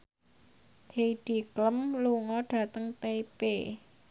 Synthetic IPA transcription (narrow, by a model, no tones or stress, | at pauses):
heid̥ikləmluŋɔɖ̥a̤t̪əŋt̪epe